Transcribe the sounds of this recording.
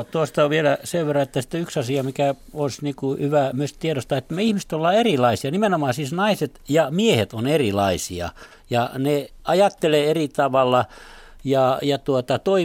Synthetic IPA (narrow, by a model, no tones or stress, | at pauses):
t̪uost̪ɑoʋʋielæseʋʋerːɑet̪ːæsi̥t̪ːyksɑsiɑmikæonsnikuhyʋæmyøst̪t̪ieɾost̪ɑet̪ːmeihmist̪olːɑːerilɑisiɑnimenomɑːsiːsnɑiset̪jɑmiehet̪onerilɑisḭɑ̰ | jɑneɑjɑt̪ːeleːerit̪ɑʋɑlːɑ | jɑjɑt̪uot̪ɑt̪oi